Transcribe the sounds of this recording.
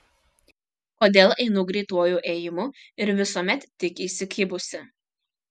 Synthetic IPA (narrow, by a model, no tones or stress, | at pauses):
koːd̪ʲeːlˠɛɪnʊɡɾʲɛɪt̪uɔjuːʔeːjɪmʊɪɾʋʲɪsuɔmʲɛt̪ːʲɪkʲisʲɪkʲɪbʊsʲɪ